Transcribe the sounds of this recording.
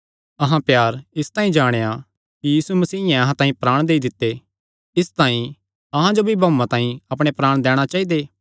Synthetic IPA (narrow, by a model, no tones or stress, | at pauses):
ɐɦãpjaːɾɪst̪ãːĩd͡ʒaːɽ̃eja | kijiːsumɐsiːɪjɛ̃ɐɦãt̪ãːĩpɾaːɽ̃d̪eːid̪ɪt̪ːe | ɪst̪ãːĩ | ɐɦãd͡ʒobʱibʱɐ̃mãt̪ãːĩɐpɽ̃epɾaːɽ̃d̪ɛːɽ̃at͡ʃaːid̪eː